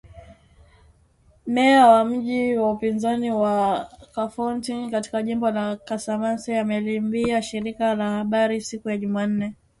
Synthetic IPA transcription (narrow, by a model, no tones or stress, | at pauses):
mɛawam̩ʄiwaupinzaniwakafantiŋkati̥kaʄimbɔlakasamansiamɛlimbiaʃiɾikalahaɓaɾisikujaʄuman̩nɛ